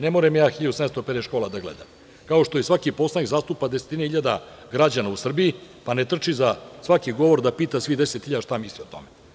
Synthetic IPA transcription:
nemoɾemjaːxiʎad̪usamest̪opeɾeʃko̞ːlˠad̪aɡlḛd̪a̰m | kao̞ʃt̪ojesʋakipo̞slˠanikzaːst̪upad̪ese̥t̪ineiʎad̪aɡɾad͡ʑanausr̩bijipanet̪r̩t͡ʂizasʋakiɡo̞ʋo̞ɾd̪apiːt̪asʋid̪e̞set̪xiʎad̪aʃt̪amisliot̪o̰me

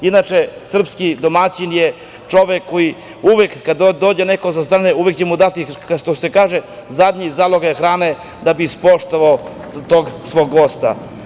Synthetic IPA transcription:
inat͡ʃesr̩pskid̪o̞mat͡ɕinje | t͡ʂo̞ʋekʰːoji | uʋekːad̪od̪oːd͡ʑenekosast̪ɾaːneuʋekt͡ɕemud̪at̪iaʃt̪osekaːʒezad̪ʲɲizalˠo̞ɡajexɾaːne | d̪abispoʃt̪oʋao | t̪oɡsʋo̞ɡːo̞st̪a̰

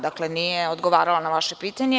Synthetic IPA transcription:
d̪aklenijeod̪ɡoʋaːɾalanaʋaʃepiːt̪aɲe

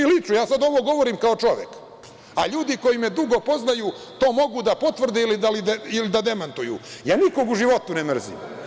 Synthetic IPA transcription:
ilit͡ʃujaːsad̪o̞ʋo̞ɡo̞ʋoɾiːmkaot͡ʃo̞ʋjek | aʎuːd̪iko̞jimed̪uɡo̞po̞znajuː | t̪o̞ːmo̞ɡud̪apo̞t̪ʋr̩d̪eilid̪alid̪eilid̪ad̪e̞mant̪ujṵjaːniko̞ɡuʒiʋo̞t̪unemr̩zḭm

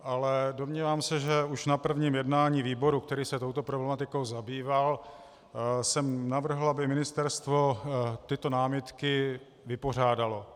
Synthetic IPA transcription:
ʔalɛdomɲiːvaːmsɛʒɛuʃnapr̩vɲiːmjɛdnaːɲiːviːbo̞ɾukt̪ɛɾiːsɛt̪o̞wt̪o̞pɾoblɛmat̪ɪko̞wzabiːval | sɛmnavr̩ɦl̩abɪmɪnɪst̪ɛɾst̪vo̞t̪ɪt̪o̞naːmɪt̪kɪ | vɪpo̞r̝aːdalo̞

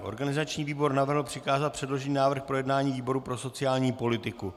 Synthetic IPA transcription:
ʔo̞̰ɾɡanɪzat͡ʃɲiːviːbo̞ɾnavr̩ɦl̩pr̥ɪkaːzat̪̚pr̥ɛdlo̞ʒɛɲiːnaːvr̩xpɾojɛdnaːɲiːviːbo̞ɾupɾo̞so̞t͡sɪjaːlɲiːpo̞lɪt̪ɪku

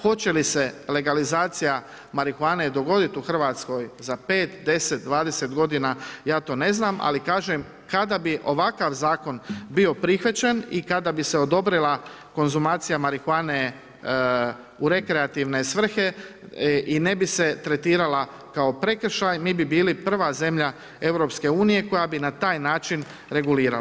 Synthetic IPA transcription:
xo̞t͡ɕe̞lisele̞ɡalizaːt̪sija | maɾixuaːned̪o̞ɡo̞d̪it̪uxr̩ʋat̪sko̞jzape̞ːt̪d̪e̞se̞t̪̚d̪ʋaːd̪ese̞t̪ɡo̞d̪inajaːt̪o̞ːne̞znaːmʔa̰likaːʒem | kad̪abiʔo̞ʋakaʋzaːko̞nbio̞pɾixʋat͡ɕenikad̪abiseo̞d̪o̞bɾilˠa | ko̞nzumaːt̪sijamaɾixwaːne | uɾe̞kɾeat̪iʋne̞sʋr̩xe̞ | ine̞bise̞t̪ɾe̞t̪iːɾala | kao̞pɾe̞kr̩ʃajmiːbibiːlipr̩ʋaze̞mʎa | e̞ʋɾo̞pske̞uːnije̞ko̞jabinat̪aːjnaːt͡ʃin | ɾe̞ɡuliːɾal

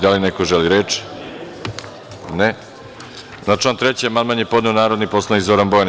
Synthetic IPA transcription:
d̪alinekoʒeliɾet͡ʃi̥ | ne | nat͡ʃlˠaːnt̪ɾet͡ɕeamanmanɲepo̞d̪neonaːɾo̞d̪nipo̞slˠanikzo̞ɾanbojan

